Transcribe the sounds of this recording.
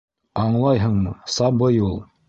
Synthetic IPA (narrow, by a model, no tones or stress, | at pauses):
ɑɴlˠɑjɦɤɴmɤsɑbɤjulˠ